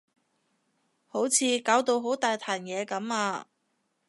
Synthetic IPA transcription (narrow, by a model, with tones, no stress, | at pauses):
ho˨˥wt͡sʰiː˨˧kaː˨˥wt̪o˧wɦo˨˥wt̪aː˨jt̪ʰaː˨˩njɛː˨˧kɐ˨˥maː˧